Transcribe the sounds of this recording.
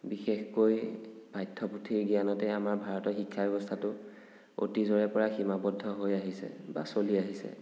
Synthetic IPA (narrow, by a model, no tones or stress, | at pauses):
bixexkojb̥ajtʰːɔputʰiɹɡianɔtɛamaɹbʱaɹɔtɔxikʰːabɛbɔstʰatʊ | o̰tizɔɹɛpɔɹaximabɔdʱːɔɦojaɦisɛ̰ba̰soliaɦisɛ̰